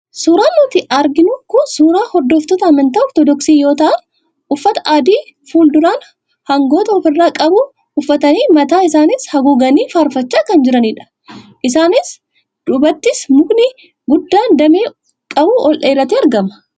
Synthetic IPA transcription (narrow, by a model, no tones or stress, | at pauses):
suːɾaːnːʊt̪ɪʔɐɾɡɪnʊkʊsuːɾaːhɔɾd̪ːoːft̪ɔt̪ɐɐmɐnt̪ɐɔɾt̪ɔd̪ɔksiːjo̞ːt̪ɐʔɐ | ʊfːɐt̪ɐ̥ʔaːd̪iːfuːld̪ʊɾaːn | hɐŋɡo̞ːt̪ɐɔfɪrːaːkʼɐbuː | ʊfːɐt̪ɐniːmɐt̪aːɪsaːnɪshɐɡuɡɐniːfaːɾfɐt͡ʃːaːkɐnd͡ʒɪɾɐniːᶑɐ̥ | ʔɪsaːnɪs | ᶑ̪ʊbɐt̪ːɪsmʊknɪ | ɡʊd̪ːaːnd̪ɐmeː | kʼɐbuːʔɔlʔeːɾɐt̪iɐɾɡɐmɐ̥